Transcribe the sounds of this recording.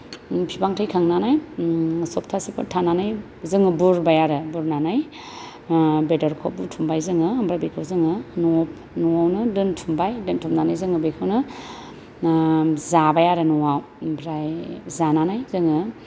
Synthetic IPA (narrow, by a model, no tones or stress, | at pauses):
pʰibaŋtʰɯjkʰaŋnanaj | sɔptʰasipʰɯ̰ɾtʰananaj | zɯŋɯbuɾbajaɾɯbuɾnanaj | bedɔɾkʰop̚butʰumbajzɯŋɯmbɾabekʰɯwzɯŋɯnɔp̚ | nɔawnɯdɯntʰumbajdɯntʰumnanajzɯŋɯbekʰɯwnɯ | zabajaɾɯnɔwaw | bɾajzananajzɯŋɯ